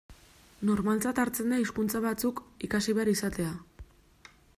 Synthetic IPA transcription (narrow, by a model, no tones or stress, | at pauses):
no̞ɾmalt͡sat̪aɾt͡se̞nd̪aiskunt͡saβat͡sukikasiβeaɾisat̪e̞a